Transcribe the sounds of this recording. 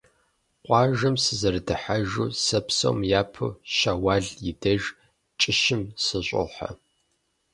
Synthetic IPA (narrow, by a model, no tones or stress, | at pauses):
qʷʼɑːʒɐmsɨzɐrdɨħaʒuːsɐpso̰wmjaːpʰɨ̰ʃaːwaːɮjɪdɐʒ | t͡ʃʼɪʃɪmsɨɕʷʼo̰ħa̰